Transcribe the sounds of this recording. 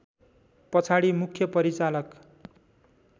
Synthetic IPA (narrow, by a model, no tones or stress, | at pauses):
pʌt͡sʰaɽimukʰjʌpʌɾit͡salʌk